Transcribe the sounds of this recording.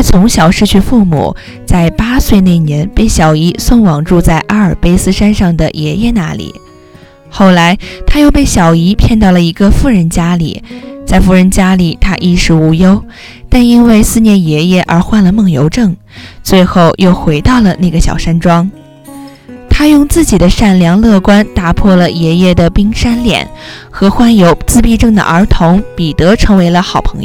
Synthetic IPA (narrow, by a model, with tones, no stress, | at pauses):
t͡sʰʊ˧˥ŋɕjɑ˨˩ʊʂɻ̩˥˧t͡ɕʰy˥˧fu˥˩mṵ˨˩ | t͡sa˥˩ɪpa˥swe˥˧ɪne˥˩ɪnjɛ˧˥npe˥˩ɪɕjɑ˨˩ʊi˧˥swə˥˩ŋwɑ˨˩ŋʈ͡ʂu˥˧t͡sa˥˩ɪʔa˥ə˞˨˩pe˥ɪsɹ̩˥ʂa˥nʂɑ˥˩ŋd̪ə˩jɛ˧˥jɛ˥˧na˥˩lḭ˨˩˦ | xo˥˩ʊla˧˥ɪt̪ʰa˥jo˥˧ʊpe˥˩ɪɕjɑ˨˩ʊi˧˥pʰjɛ˥˧nt̪ɑ˥˩lə˩i˧˥ɡə˧fu˥˩ɻə˧˥nt͡ɕja˥lḭ˨˩t͡sa˥˧ɪfu˥˩ɻə˧˥nt͡ɕja˥li˨˩t̪ʰa˥ʔi˥˩ʂɻ̩˧˥u˧˥jo˥ʊ | t̪a˥˧ni˥nwe˥˧ɪsɹ̩˥˧njɛ˥˩njɛ˧˥jɛ˥˩ʔə˞˧˥xwa˥˩nlə˩mɤ˥˩ŋjo˧˥ʊʈ͡ʂɤ˥˩ŋ | t͡swe˥˧ɪxo˥˧ʊjo˥˩ʊxwe˧˥ɪt̪ɑ˥˩ʊlə˩na˥˩ɡə˩ɕjɑ̰˨˩ʊʂa˥nʈ͡ʂwɑ˥ŋ | t̪ʰa˥jʊ˥˧ŋt͡sɹ̩˥˩t͡ɕi˨˩d̪ə˦ʂa˥˩nljɑ˧˥ŋlɤ˥˧˩kwa˥nt̪a˧˩pʰwɔ˥˩lə˩jɛ˧˥jɛ˥˩d̪ə˩pi˥ŋʂa˥nljɛ̰˨˩˦nxɤ˧˥xwa˥njo˧˥ʊt͡sɹ̩˥˧pi˥˧ʈ͡ʂɤ˥˩ŋd̪ə̰˩ʔə˞˧˥t̪ʰʊ˧˥ŋpi˨˩t̪ɤ˧˥ʈ͡ʂʰɤ˧˥ŋwe˧˥ɪlə˧xɑ˨˩ʊpʰɤ̥˧˥ŋj